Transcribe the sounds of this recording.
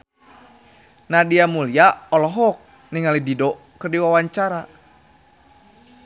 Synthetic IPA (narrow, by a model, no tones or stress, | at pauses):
nadiamuliaɔlɔɦɔk̚ | niŋalididɔ | kərdiwawaɲt͡ʃaɾa